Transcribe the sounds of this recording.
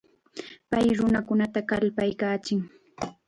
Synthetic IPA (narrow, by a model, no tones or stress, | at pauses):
pajɾʊnakʊnat̪akalpajkaːt͡ʃɪŋ